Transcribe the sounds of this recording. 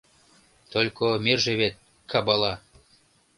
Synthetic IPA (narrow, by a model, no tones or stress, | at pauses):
t̪olʲkomerʒĕβet̪̚ | kʰɑbɑlɑ